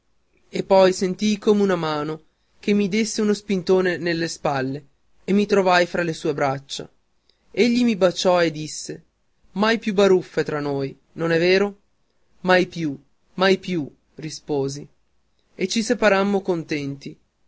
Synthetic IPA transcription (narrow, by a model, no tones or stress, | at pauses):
epːɔjsent̪ijkoːmeunamaːno | kemːid̪esːeunospint̪oːnenelːespalːeː | mːit̪ɾovajfɾalesuːebɾat͡ʃːa̰ | eʎːimibat͡ʃːɔed̪ːisːe | majpjubaɾufːet̪ɾanːoːj | nonɛveːɾo | majpju | majpju | rispoːzi | et͡ʃːisepaɾamːokont̪ɛnt̪i